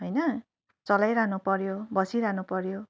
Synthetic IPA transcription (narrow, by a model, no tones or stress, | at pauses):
ɦʌjnʌ | t͡sʌlajɾanupʌɾjobʌsiɾanupʌɾjo